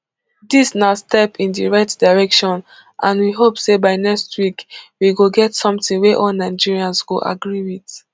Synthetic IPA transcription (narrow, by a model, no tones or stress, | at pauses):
disnaʊstɛpʰĩndiɹaɪtdaɪɹɛkʃɔ̃n | ʔãnwiɦopsebaɪnɛkstʰwikwiɡoɡɛtsɔ̃mtĩŋweʔɔlnaɪd͡ʒiɹiãnsɡoʔa̰ɡɹiwit